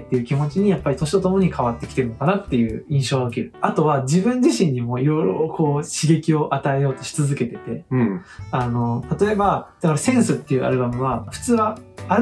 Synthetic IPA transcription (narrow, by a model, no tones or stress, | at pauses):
t̪ːe̞jɯ̟kʲimo̞t͡ɕiɲ̟ijapːaɾʲit̪o̞ɕ̬it̪o̞t̪o̞mo̞ɲ̟ikʰaβat̪ːe̞kʲi̥t̪eɾɯ̟nokanat̪ːe̞jɯ̟ːĩɰ̃ɕo̞ːɡaokʲiɾɯ̟at̪o̞βad͡ʑibɯ̟̃ɲ̟d͡ʑiɕĩɲ̟ːimo̞iɾo̞iɾookʰo̞ːɕiɡe̞kʲio̞ʔat̪ae̞jo̞ːt̪o̞ɕi̥t͡sɨzɨke̞t̪e̞t̪e̞ | ano̞t̪at̪o̞e̞bad̪̥akaɾasẽ̞ɰ̃sɨt̪ːe̞jɯ̟ʔa̰ɾɯ̟bamɯ̟β̞aɸɯ̟̥t͡sɨːβaː